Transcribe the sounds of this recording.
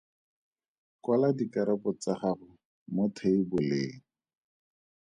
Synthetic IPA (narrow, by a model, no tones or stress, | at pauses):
kwaladikaɾapɔt͡saχaχʊ | motʰeibʊlɪːŋ̩